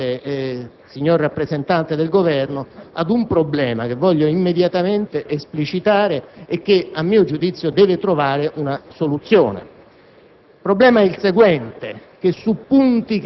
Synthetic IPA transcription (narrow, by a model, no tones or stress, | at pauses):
e | siɲːorːapːɾezent̪ant̪ed̪elɡovɛrnoa̰d̪umpɾoblɛːmak̟evːɔʎːoimːed̪jat̪ament̪eʔesplit͡ʃit̪aːɾeek̟ːeamːiːod͡ʒud̪it̪sːjod̪ɛːvet̪ɾovaːɾeʔunasolut̪sːjo̰ːnḛ | pɾoblɛːmaɛilseɡwɛnt̪ek̟esːupːunt̪ik